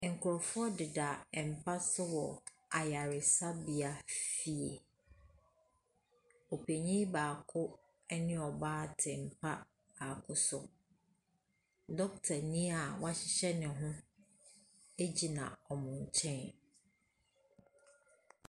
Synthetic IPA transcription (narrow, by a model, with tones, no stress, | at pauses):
ŋ̩˨kʰʊ˨ɾɔ˨fɔ˦dɪ˨da˨m̩˨pʰa˦sʊ˦wɔ˨ | a˨ja˨ɾɪ˨sa˦bi˨a˨fi˦ḛ˨ | o˨pʰe˨ɲĩ˦baː˨kʰʊ˦ | ɛ˦nɪ̃˦ɔ˨baː˦tʰɪ˨m̩˨pʰa˦ | ba˨kʰʊ˦sʊ˨ | dɔ˦k̚tʰa˨nĩ˦a˨wa˦ɕɪ˦ɕɛ˦nɪ̃˨ɦʊ̃˦ | e˦d͡ʑi˨nã̰˨ɔ˨mʊ̃˨ɲ̩˨t͡ɕʰɛ̃˦n